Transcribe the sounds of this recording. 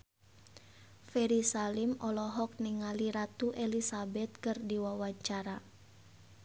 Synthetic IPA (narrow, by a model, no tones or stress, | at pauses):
fɛɾisalimɔlɔɦɔk̚niŋaliɾat̪uʔelisabɛt̪̚kɨrdiwawaɲt͡ʃaɾa